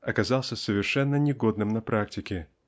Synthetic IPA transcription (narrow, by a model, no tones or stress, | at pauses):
ɐkɐzalˠsʲəsəvʲɪrʂɛnːənʲɪɡo̞d̪nɨmnɐpɾʔak̚tʲɪkʲɪ